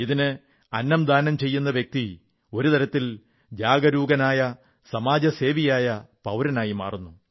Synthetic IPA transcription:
iðinɨ | ɐnːɐmd̪ʱaːnɐmt͡ɕe̞jːun̪ːɐʋjek̚t̪i | o̞ɾut̪ɐɾɐt̪ːil | d͡ʑaːɡɐɾuːɡɐnaːjɐ | sɐmaːd͡ʑɐse̞ːʋijaːjɐpɐwɾɐnaːjima̰ːrunːu

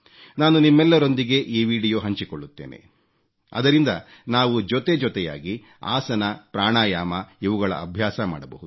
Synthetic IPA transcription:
naːnunimːɛlːɐɾo̞nd̪iɡe̞ʔiːʋiːɽijoːɦɐɲt͡ʃikoɭːut̪ːe̞̰ːnḛ | ɐ̰d̪ɐɾind̪ɐ | naːʋud͡ʒɔt̪e̞d͡ʒɔt̪ɛja̰ːɡi | a̰ːsɐnɐpɾaːɳaːjaːmɐiʋuɡɐɭɐ̰ɐbʱjaːsɐma̰ːɽɐbɐ̰ɦud̪u

